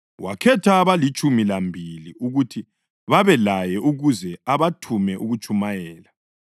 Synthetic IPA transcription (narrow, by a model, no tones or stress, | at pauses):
wʔa̰kʰɛtʰaβalit͡ʃʼumilambʱiliuɣutʰi | βaβɛlajɛʔuɣuzɛaβatʰumɛʔuɣut͡ʃʼumajɛːla